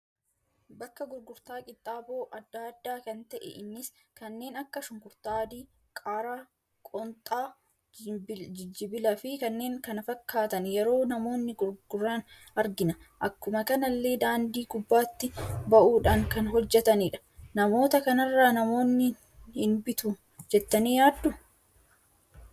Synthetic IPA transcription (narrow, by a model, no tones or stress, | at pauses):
bɐkːɐɡʊɾɡʊɾt̪aːkʼɪt̪ʼːaːboːʔɐd̪ːaːd̪ːaːkɐnt̪ɐʔɛ̰ʔɪnːɪs | kɐnːe̞ːnɐkːɐʃʊŋkʊɾt̪aːd̪iː | kʼaːɾaː | kʼɔnt̪ʼaː | d͡ʒɪd͡ʒːɪbɪlɐfɪkɐnːe̞ːŋkɐnɐfɐkːaːt̪ɐnjɛɾo̞ːnɐmo̞ːnːɪɡʊɾɡʊrːaːn | ɐɾɡɪnɐʔɐkːʊmɐkɐnɐlːe̞ːd̪aːnd̪iːɡʊbːaːt̪ːɪbɐʔuːᶑaːŋkɐnɦɔd͡ʒːɛt̪ɐniːᶑɐ̥nɐmo̞ːt̪ɐkɐnɐrːaːnɐmo̞ːnːɪ | hɪnbɪt̪u | d͡ʒɛt̪ːɐniːjaːd̪ːʊ